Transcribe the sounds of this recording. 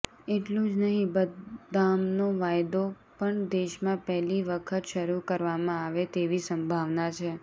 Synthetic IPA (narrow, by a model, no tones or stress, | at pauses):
eʈlũd͡ʒnəɦĩbəd̪amnoʋajd̪o | pəɳd̪eʃmãpɛɦliʋəkʰət̪ʃəɾukəɾʋamãaʋet̪eʋisəmbʱaʋnat͡ʃʰe